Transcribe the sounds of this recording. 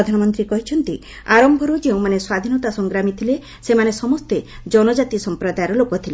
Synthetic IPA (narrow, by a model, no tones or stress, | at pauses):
ɔd̪ʱanɔmɔnt̪ɾikɔɦit͡ʃʰɔnt̪i | aɾɔmbʱɔɾud͡ʒeũmaneswad̪ʱinɔt̪asɔŋɡɾamit̪ʰile | semanesɔmɔst̪ed͡ʒɔnɔd͡ʒat̪isɔmpɾɔd̪ajɾɔlokɔt̪ʰile